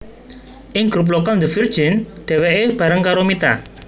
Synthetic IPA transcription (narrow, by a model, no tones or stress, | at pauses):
ʔɪŋɡɾup̬lokald̪əvir̥d͡ʒɪnɖ̪̥ɛ̤weʔeb̥ä̤ɾəŋkaɾomit̪a̰